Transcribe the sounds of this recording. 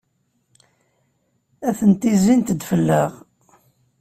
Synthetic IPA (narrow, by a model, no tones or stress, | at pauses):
æθənt̪izint̪d̪fəlːəʁ